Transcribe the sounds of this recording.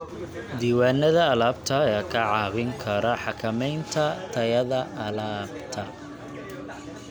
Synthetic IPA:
d̪iːwaːnɐðɐːlaːb̚t̪ʰɐjaːkʰɐʕɑːβɪŋkʰɐɾɐħɑkʰɐmɛjnt̪ʰɐt̪ʰɐjɐðɐʔɐlaːbt̪ʰɐ

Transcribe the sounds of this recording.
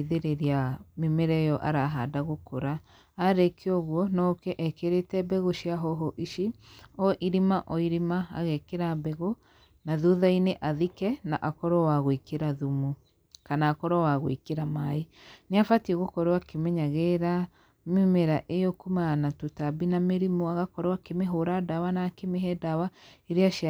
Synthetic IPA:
ðeɾeɾiamemeɾɛejɔʔaɾaɦadaɣokoɾaː | ɾekʰeɔɣwɔnɔkɛʔɛkeɾetɛbɛɣoʃiaɦɔɦɔʔiʃiɔʔiɾimaʔɔiɾimaa̰ɣɛkeɾabɛɣo | naðuðaineʔaðikɛnaʔakɔɾɔwaɣwekeɾaðumu | kanaːkɔɾɔwaɣwekeɾamaeneafatieɣokɔɾowakemɛɲaɣeɾa | memeɾaʔejɔkumanatotabinameɾimuaɣakɔɾwakemeɦoɾadawanakemeɦɛdawaeɾeaʃ

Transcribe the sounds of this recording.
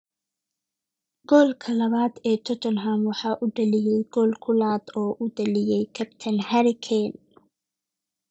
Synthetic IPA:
ɡ̥ɔːlkʰɐlɐβaːd̪ɛːt͡ʃʰɔt͡ʃɔnɦamwɑħɑːʔʊɖɐlɪjɛjɡɔːlkʰʊlaːd̪ɔːʔʊd̪ɐlɪjɛjkʰɐpt̪ʰɐnhɐɾɪkʰɛn

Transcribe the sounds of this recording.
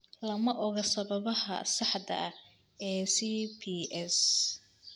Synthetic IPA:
lɐmɐʔɔɣɐsɐβɐβɐɦɐ̰sɑħd̪ɐ̰ɐ | ɛːsipʰiɛs

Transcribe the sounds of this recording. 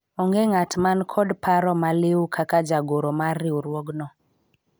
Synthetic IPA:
ɔŋɡeŋatmankʰɔdpaɾɔmalɪwukʰakad͡ʒaɡoɾomarːɪwuɾwoɡnɔ

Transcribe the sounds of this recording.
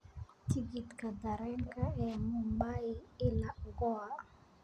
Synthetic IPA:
tiɡitkadaɾɛŋkaɛmumbaɪɪlaɡɔa

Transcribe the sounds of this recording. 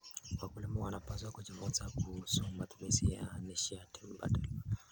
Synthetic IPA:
wakulimɔwanapazwakud͡ʒivunzakusummatu̥mizija̰niʃiatʰɛmba̰dal

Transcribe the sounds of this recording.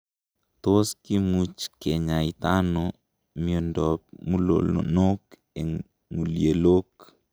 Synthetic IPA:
t̪oskimut͡ʃkeɲait̪ano | miɔndɔp̚mulo̰lo̰nok | eŋ | ŋulielok

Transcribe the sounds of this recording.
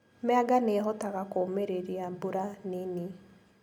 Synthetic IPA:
mɛaɡaneɦɔtaɣakomeɾeɾiambuɾanini

